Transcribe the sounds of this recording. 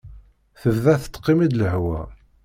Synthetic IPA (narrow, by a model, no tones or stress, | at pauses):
θəvðæθə̥t̪ːqːimid̪ləhwæ